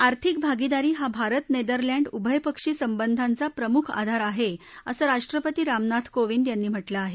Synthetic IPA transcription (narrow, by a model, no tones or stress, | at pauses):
aɾt̪ʰik̚bʱaɡid̪aɾiːɦabʱaɾət̪ned̪əɾlaɳɖubʱəjpəkʂiːsəmbənd̪ʱant͡sapɾəmukʰa̰d̪ʱaɾaɦeəsəɾaʂʈɾəpət̪iːɾamnat̪ʰkoʋind̪janːiːm̤əʈlaːɦe